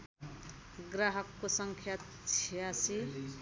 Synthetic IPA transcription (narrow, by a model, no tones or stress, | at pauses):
ɡɾaɦʌkːosʌŋkʰjat̪̚ | t͡sʰiasi